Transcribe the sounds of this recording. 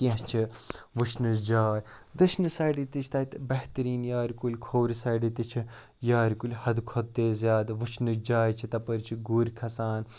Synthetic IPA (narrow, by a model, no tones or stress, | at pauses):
kiɦt͡ʃʰiʋut͡ʃʰnɨsd͡ʒaːɾʲd̪ɨʃnɨsaːɖit̪it͡ʃʰt̪ɐit̪bɐht̪ɾiːnjaːɾʲkulʲkʰoːɾʲisɐːɖit̪it͡ʃʰi | jaːɾikulʲhɐd̪kʰod̪̚t̪ːeːzʲjaːd̪ʋut͡ʃʰnɨd͡ʒaːjt͡ʃʰit̪ɐpɐɾt͡ʃʰiɡuːɾʲkʰɐsaːn